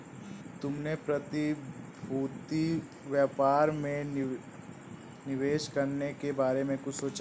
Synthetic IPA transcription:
t̪ʊmnepɾɐt̪ibʱuːt̪i | ʋjəpaːɾmẽ | nɪʋeːʃkɐɾnekebaːɾemẽkʊt͡ʃʰsoːt͡ʃa

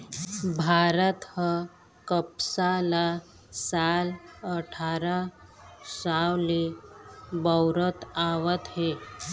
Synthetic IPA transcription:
bʱaɾət̪hə | kəpsala | saləʈʰaɾa | sawle | bəwɾət̪aʋət̪ɦe

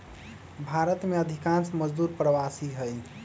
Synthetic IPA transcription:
bʱaɾət̪meəd̪ʱikãnsməd͡ʒd̪uɾpɾəʋasiɦəj

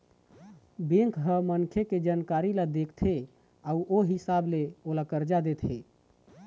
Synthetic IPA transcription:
bẽŋkɦəmənkʰeked͡ʒankaɾilad̪ekʰt̪ʰe | auʔoɦisableolakəɾd͡ʒad̪et̪ʰɦe

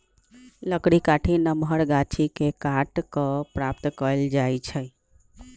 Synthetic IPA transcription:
ləkɽikaʈʰinəmʱəɾɡat͡ʃʰikekaʈkəpɾap̚t̪kəld͡ʒajt͡ʃʰə

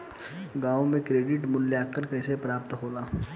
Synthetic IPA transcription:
ɡãːõmẽkɾeːɖɪʈmʊnljaːkəɾkɛːsepɾaːp̚t̪ɦoːlaː

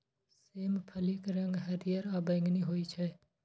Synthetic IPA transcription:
seːmpʰəlikɾɐ̃ŋɡɦɐd̪ijəɾaːbəɪŋɡniɦoːit͡ʃʰɛː

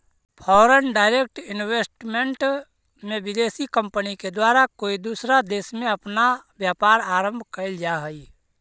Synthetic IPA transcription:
pʰɔːɾənɖaːɪɾeːk̚ʈɪnweːsʈmẽɳʈ | mẽʋɪd̪eːsikə̃mpəniked̪waːɾakoːid̪uːsɾad̪eːsmẽɐpnaʋjaːpaːɾaːɾə̃mbʱkəɪld͡ʒaɦəi

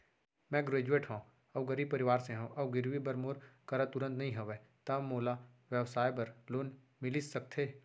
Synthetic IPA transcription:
mɛ̃ɡɾeːd͡ʒueːʈɦõː | ɐbɡəɾiːb̚pəɾɪʋaːɾsẽɦõʔɐbɡɪɾʋibəɾmoːɾkɐɾat̪ʊɾə̃nt̪nɐɦĩɦoʋet̪ɐmoːlaʋjəwsaːjbɐɾloːn | mɪlisɐk̚t̪ʰeː

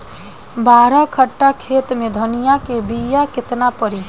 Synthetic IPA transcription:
baɾəkʰəʈːakʰet̪med̪ʱənijakebijaket̪napəɾi

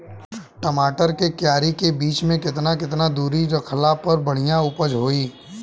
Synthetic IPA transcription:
ʈəmaːʈəɾkekjaːɾikebiːt͡ʃmẽkɪt̪nakɪt̪nad̪uːɾid͡ʒəkʰɐlaːpəɾbɐɽ̤ijaʊpəd͡ʒɦoːiː

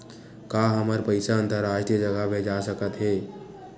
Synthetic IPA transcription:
kaɦəməɾpəɪsaə̃nt̪əɾaːd͡ʒʈed͡ʒəɡabʱeːd͡ʒasəkət̪ɦeː

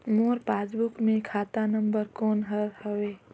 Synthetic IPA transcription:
moːɾpaːsbʊkmẽkʰaːt̪anə̃mbəɾkɔːnɦəɾhəweː

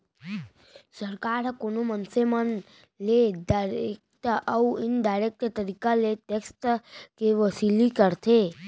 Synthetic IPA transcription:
səɾkaɾkonomənsemən | led̪aɾek̚t̪əuɪnd̪aɾek̚t̪t̪əɾikaleʈeksʈkeʋəsilikəɾt̪ʰe

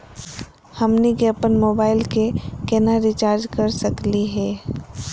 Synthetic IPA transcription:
hɐmniɡɛːpənmoːbaːɪlkekɛnaɾit͡ʃaːɾd͡ʒkɐɾsɐkliɦɛː

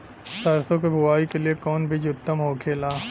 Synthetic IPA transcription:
sɐɾsõk̬ebʱʊʋaːikeliekɔːnbʱɪd͡ʒʊt̪ːəmɦoːkʰeːlaː

